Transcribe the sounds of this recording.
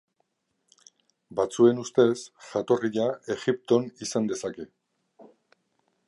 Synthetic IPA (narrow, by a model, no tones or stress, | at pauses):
bat͡sue̞nust̪e̞sʝat̪o̞riʎae̞ɣip̚t̪o̞nisand̪e̞sake̞